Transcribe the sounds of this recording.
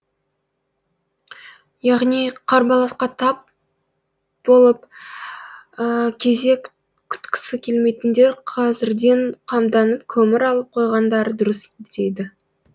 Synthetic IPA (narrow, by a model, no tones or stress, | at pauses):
jɑʁnijqʰɑɾbɑlˠɑsqɑt̪ʰɑp̚ | bo̞lˠəp | əkʲʰe̞zd̪e̞kʲ | kʲʰʏ̥t̪kʲɪ̥sɪkʲʰe̞lme̞jt̪ɪnd̪e̞ɾqʰɑzɪɾd̪e̞ɴqʰɑmd̪ɑnəp̚kʲʰɵmɪɾɑlˠəp̚qʰo̞jʁɑnd̪ɑɾəd̪ʊɾəst̪e̞d̪ɪ